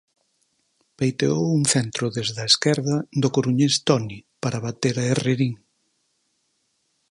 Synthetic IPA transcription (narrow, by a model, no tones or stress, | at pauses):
pejt̪eowuŋθɛnt̪ɾʊðezðɐeskɛɾðɐðʊkoɾuɲest̪ɔnipaɾɐβat̪eɾɐereɾiŋ